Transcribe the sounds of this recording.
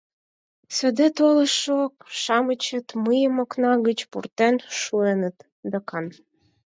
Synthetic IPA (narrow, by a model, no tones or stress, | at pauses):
sø̆d̪et̪oləʃok̚ʃɑmət͡ɕə̆t̪məjəmoknɑɣət͡ɕpurt̪enʃuenə̆t̪ | d̪əkɑn